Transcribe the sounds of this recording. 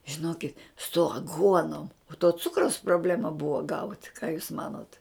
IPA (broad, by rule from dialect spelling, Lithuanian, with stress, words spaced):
ʒʲɪˈnoːkʲɪt sʊ ɐˈɡuɔnoːm oː toː ˈt͡sʊkrɐʊs proːˈbʲlʲæːmɐ ˈbʊʋoː ɡɐʊt kɑː juːs ˈmɑːnoːt